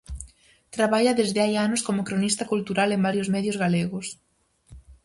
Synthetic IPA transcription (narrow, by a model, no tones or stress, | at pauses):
t̪ɾaβaʎɐðezðɪajanʊskomʊkɾonist̪ɐkult̪uɾalembaɾjʊzmɛðjʊzɣaleɣʊs